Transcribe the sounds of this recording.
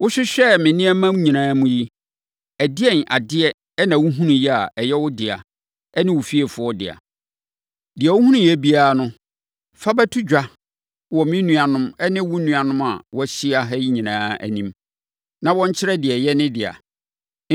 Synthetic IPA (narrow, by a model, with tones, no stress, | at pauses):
wʊ˦ɕɪ˦ɕᶣɛ˦mɪ̃˨nɪ̃˦ɛ˦mã˦mɲĩ˨nãː˦mũ˦ji˦ | æ˨dɪ˦ɛ˦nʔa̰˨dɪ˦ɛ˦ | nã˨wu˦ɦũ˦nũ˨ji˦a˨ʔɛ˨jɛ˦wʊ˦dɪ˨a̰˨ | ɛ˦nɪ̃˦wʊ˨fi˦ɛ˨fʊ˦ɔ˦dɪ̰˨a̰˨ | dɪ˨ɛ˨wʊ˦ɦũ˦nũ˨jɛ˦bi˦aː˦nʊ̃˦ | fa˦bɛ˦tʰʊ˦d͡ʑᶣa˦ | wɔ˨mɪ̃˦nũ˦a˨nʊ̃˦mɛ˦nɪ̃˦wʊ˦nũ˨a˨nʊ̃˦ma̰˨wɔ˦ɕi˦a˨ɦɛ˦ji˦ɲĩ˨nãː˦æ̰˨nĩ˦m | nã˨wɔ̃˦ɲ˦t͡ɕʰɪ˦ɾɛ˦dɪ˨ɛ˨jɛ˦nɪ̃˦dɪ˨a̰˨